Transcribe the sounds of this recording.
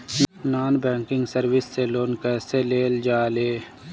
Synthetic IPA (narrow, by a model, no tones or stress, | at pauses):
naːnbɛ̃ːŋkɪ̃ŋɡsəɾwɪsːeloːnkɛːseleːld͡ʒaːleː